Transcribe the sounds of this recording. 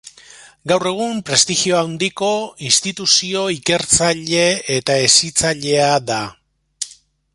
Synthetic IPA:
ɡawre̞ɣ̞umpɾe̞st̪iɣio̞awnd̪iko̞inst̪it̪usio̞ike̞ɾt͡saʎe̞et̪ae̞sit͡saʎe̞aða

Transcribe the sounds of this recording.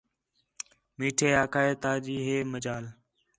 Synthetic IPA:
miːʈʰeːaːkʰaːeːt̪aːd͡ʒiːɦeːməd͡ʒaːl

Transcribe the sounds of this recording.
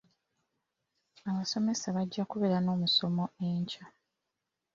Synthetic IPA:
aβaso̞me̞saβaɟːakuβe̞ɾano̞ːmuso̞mo̞e̞ːɲca

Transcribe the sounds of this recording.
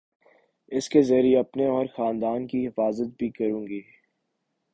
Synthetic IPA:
ɪskezɐɾieɐpneɔːɾxaːnd̪aːnkiɦɪfaːzət̪̚bʱikɐɾũːŋɡiː

